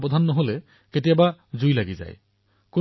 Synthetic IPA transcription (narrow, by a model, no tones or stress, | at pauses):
pɔd̪ʱanːɔɦolɛ | ketijabazujlaɡiza̰j | ku